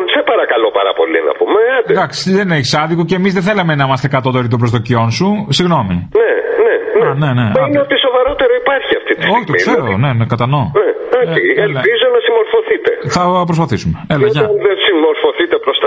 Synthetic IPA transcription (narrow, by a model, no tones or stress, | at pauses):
sepɐɾɐkɐlopɐɾɐ̰po̞lḭnɐ̰pumeɐnd̪d̪ɐksi̥ðe̞neçisɐnðikoceːmizðeθelɐmenɐimɐst̪e̞kɐt̪ot̪oɾit̪obɾozðocionsusiɣno̞minenenene̞neineot̪iso̞vɐɾo̞t̪e̞ɾo̞ipɐɾçiɐft̪it̪i̥soçiɣt̪oikseɾone̞nekɐt̪ɐnoneoielpizo̞nɐsimo̞ɾfo̞θit̪e̞θɐpɾospɐθisume̞elɐʝɐɐnðensimo̞ɾfo̞θit̪e̞pɾost̪ɐ